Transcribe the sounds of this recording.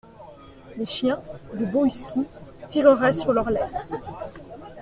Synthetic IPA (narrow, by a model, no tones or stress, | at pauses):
leʃjɛ̃d̪əbɔyskʲit̪iʁəʁɛsyʁlœʁlɛs